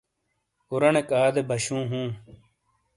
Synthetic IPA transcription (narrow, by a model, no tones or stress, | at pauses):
uɾɐnekaːd̪ebʱɐɕũːɦũː